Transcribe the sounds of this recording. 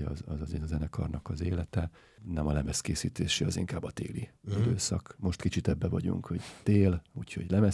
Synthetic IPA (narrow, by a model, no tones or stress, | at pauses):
ɒ̰zɒzɒzeːnɒzɛnɛkɒ̰rnɒkɒzeːlɛt̪ɛ | nɛmɒlɛmɛskeːsḭːt̪eːʃiɒziŋkaːbːɒt̪ḛːliid̪øːsɒkmo̞ʃt̪kit͡ʃit̪ɛbːɛvɒɟṵŋkho̞ɟt̪eːluːcho̞̰ɟlɛmɛ